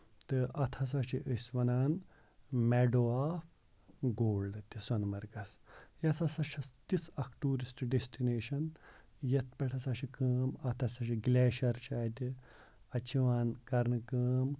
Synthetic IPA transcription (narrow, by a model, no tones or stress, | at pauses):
t̪ɨʔɐt̪ʰɐs̬ɐt͡ʃʰiʔəsʲʋɐnaːn | meɖoːaːf | ɡoːlɖɨt̪isɐnmɐɾɡɐsjɐsɐsɐʃʰɐst̪isɐkʈuːɾisʈɖesʈineːʃɐn | jɐt̪̚ʰpɐʈʰɐsɐʃʰikəːmɐt̪ʰɐsɐʃiɡleːʃɐɾt͡ʃʰaːt̪ʲi | ɐt͡ʃʰiʋaːnkɐɾnɨkəːm